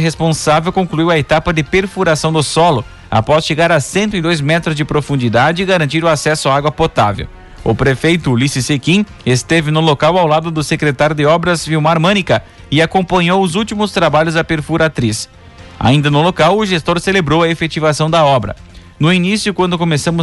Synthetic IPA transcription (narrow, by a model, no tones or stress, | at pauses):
ɦespõsavewkõkluiwɐet̪apɐd̪ɪpeɾfuɾasɐ̃w̃d̪ʊsɔlʊ | a̰pɔsʃeɡaɾɐsẽnt̪ʊɪd̪ojzmɛt̪ɾʊzd͡ʒɪpɾofũnd͡ʒid̪ad͡ʒɪːɡaɾɐ̃nt͡ʃiɾʊasɛsʊaaɡwɐpot̪a̰vḛw | ʊ̰pɾefejt̪ʊlisɪsekĩ | est̪evɪnʊlokawawlad̪ʊd̪ʊsekɾet̪aɾjʊd̪ɪɔbɾɐzviwmaɾmɐ̃nikɐ | ɪakõmpɐ̃ɲowʊzuwt͡ʃimʊst̪ɾabaʎʊzd̪ɐpeɾfuɾat̪ɾis | a̰ĩnd̪ɐnʊlokawʊʒest̪oɾselebɾowɐefet͡ʃivasɐ̃w̃d̪ɐɔbɾɐ̰ | nʊinisjʊkwɐ̃nd̪ʊkomesɐ̃mʊ